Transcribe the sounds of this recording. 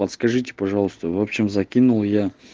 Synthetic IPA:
pət̪skɐʐɨtʲɪ̥pɐʐɑlˠəst̪əvopɕːɪmzɐkʲinulˠja

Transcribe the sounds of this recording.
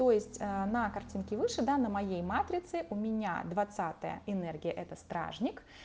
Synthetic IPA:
t̪ojɪsʲtʲənəkɐrtʲinkʲɪvɨʂɨd̪anəmɐjejmat̪ɾʲɪt̪sɨʔʊmʲɪnʲa̰d̪vɐt̪sat̪ə̰jə̰ɪnɛrɡʲɪjəʔɛt̪əst̪ɾa̰ʐnʲɪk

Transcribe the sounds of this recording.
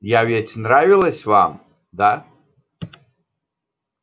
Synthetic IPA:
javʲɛt͡sʲʰnravʲilˠɐsʲvam | d̪a

